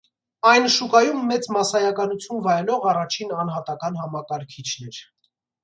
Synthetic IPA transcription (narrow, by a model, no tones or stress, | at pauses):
ɑjnʃukɑjumːɛt͡smɑsɑjɑkɑnut͡sʰjunvɑjlɔʁɑrɑt͡ʃʰinɑn̪hɑt̪ɑkɑnhɑmɑkɑɾkʰit͡ʃʰnɛɾ